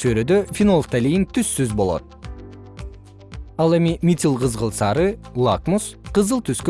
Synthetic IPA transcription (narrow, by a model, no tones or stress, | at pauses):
søɾød̪øfʲinolˠft̪alʲijint̪ʰysːyzbo̞lˠo̞̰t̪̚ | ɑlˠe̞mimʲit̪ʲilˠqɯzʁəlˠsɑɾɨlˠakmusqɯzɯlˠt̪ʰyskø